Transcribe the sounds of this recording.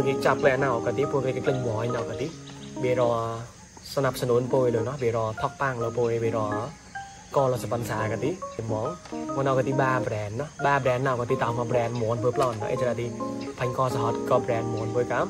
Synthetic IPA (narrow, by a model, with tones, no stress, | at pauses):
ə˧ki˧t͡ɕa˧p̚lɛ˧ʔna˧wka˧˩t̪i˧˥pʰu˧k̚t̪i˧kːklə˧ŋmɔ˨˦jna˧wka˧˩t̪i˧˥ɓi˧˩əɾɔ˧ | sana˧p̚sə˧nu˧ənpo˧jlo˨˧nɔ˧˦ɓi˧˩əɾɔː˧t̪ʰɔ˧k̚pa˧ŋlo˧po˧əjʋi˧əɾɔ˧ | kɔː˧lɔ˧sapə˧nsaː˨˩ka˧t̪i˧˥ki˧mɔ˨˦ŋmɔ˧na˧wkə˧t̪iː˧ɓaː˧brɛ˨nːɔ˧hɓaː˧brɛ˨˧nːa˧wka˧t̪iː˧t̪a˨ma˧brɛː˨nmu˨˩ənpʰəː˧pʰlɔ˧nːɔ̰˧ʔḛ˧t͡ɕa˧ɾa˧t̪i˧pʰə˧ɲkɔː˧sa˨ɦɔ˧t̪̚kɔ˧bɾɛː˨nmu˨˩ənpʰu˧jka˧˦